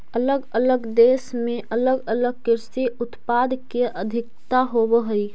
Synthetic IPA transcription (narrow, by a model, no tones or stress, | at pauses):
ələɡələɡd̪eːsmẽʔələɡələɡ̚kɪɾsiʊt̪paːd̪keʔəd̪ʱɪk̚t̪aɦobɦəi